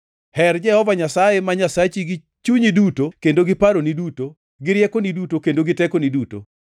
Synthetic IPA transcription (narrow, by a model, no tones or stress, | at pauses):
hɛrd͡ʒɛhɔvaɲasajemaɲasat͡ʃiɡi | t͡ʃuɲidutokendoɡɪpaɾoniduto | ɡɪɾjɛkonidutokendoɡɪtɛkoniduto̰